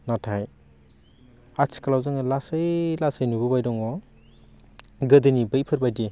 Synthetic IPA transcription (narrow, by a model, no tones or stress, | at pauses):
natʰaj | asʰi̥kalawzɯŋɯlasəjlasəjnubɯbajdɔŋɔ | ɡɯdɯnibɯjpʰɯɾbajdi